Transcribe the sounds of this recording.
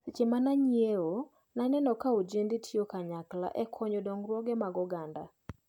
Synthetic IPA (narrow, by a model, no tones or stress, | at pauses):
t͡ʃemanaɲjeo | nanɛnɔkaod͡ʒenditʰjokaɲakla̰ʔɛkʰɔɲɔdɔŋrwɔɡɛmaɡɔɡanda̰